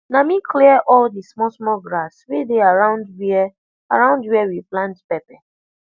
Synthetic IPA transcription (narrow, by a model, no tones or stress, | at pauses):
namikʰliɛʔɔldismɔsmɔɡɹaswedeaɹãʊ̃ndw | aɹãʊ̃ndwiɛwiplãntpɛpɛ